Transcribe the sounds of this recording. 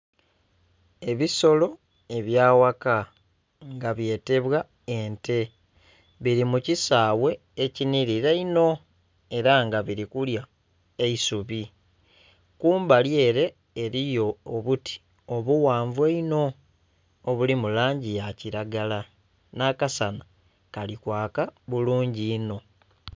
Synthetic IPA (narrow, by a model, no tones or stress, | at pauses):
e̞βiso̞lo̞ | e̞βjaːwaka | ŋɡaβje̞ːte̞βwa | e̞nte̞ | βiɾimucisaːwe̞ːciniɾiɾeino̞ | e̞ɾaŋɡaβiɾikulja | eisuβi | kuːmbalje̞ːɾe̞ː | ɾijo̞ːβuti̥ | o̞βuwaːɱvuweino̞ː | βulimulaːɲɟijaciɾaɡala | nakasana | kalikwaːkaβuluːɲɟiːno̞